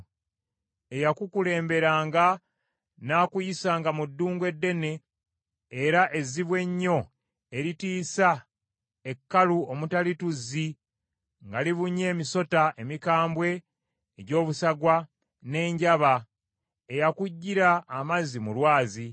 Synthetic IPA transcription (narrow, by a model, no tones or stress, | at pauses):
e̞jakukule̞ːmbe̞ɾaːŋɡa | naːkujisaːŋɡamudːuːŋɡwe̞dːe̞ne̞ː | ɾaʔe̞ziβwe̞ɲːo̞ | eɾitiːsa | e̞kːaluomutalituzi | ŋɡaliβuɲːe̞ːmiso̞taʔemikaːmbwe̞ː | ɟo̞ːβusaɡwa | ne̞ːɲɟaβa | ejakuɟːiɾaːmazimulwaːzi